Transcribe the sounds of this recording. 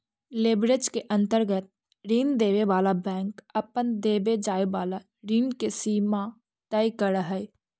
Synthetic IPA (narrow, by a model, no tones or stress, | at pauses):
leːbɾed͡ʒkeʔə̃nt̪əɾɡət̪̚ | ɾiːnd̪eːʋeʋaːlabɛ̃ːŋkəpənd̪eːbed͡ʒaːebaːla | ɾiːnkesiːma | t̪ɛːikəɾəɦəj